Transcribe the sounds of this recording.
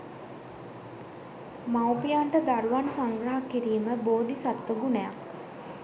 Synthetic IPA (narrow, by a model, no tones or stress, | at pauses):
mawpijaɳʈəd̪aɾuʋansaŋɡɾaɦakːiɾiːməboːd̪isat̪ʋəɡunəja̰k